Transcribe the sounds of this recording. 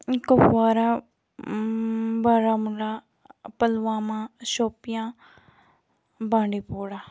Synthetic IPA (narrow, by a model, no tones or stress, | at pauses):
kopwaːɾa | baːɾaːmʊlaː | pəlʋãːmãːʃoːpɪjãː | bãːɳɖiːpoːɽaː